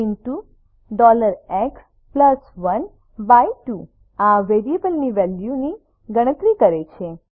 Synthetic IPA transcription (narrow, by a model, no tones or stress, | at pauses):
inʈu | ɖɔləɾeks | pləsʋən | baiʈu | aʋeɾiebəlniʋɛljuni | ɡəɽ̃ət̪ɾikəɾet͡ʃʰe